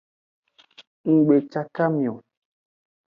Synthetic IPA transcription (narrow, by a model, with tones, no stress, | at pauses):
ŋ̩˨ɡ͡be˨t͡ʃa˦ka˦mĩ˨o˨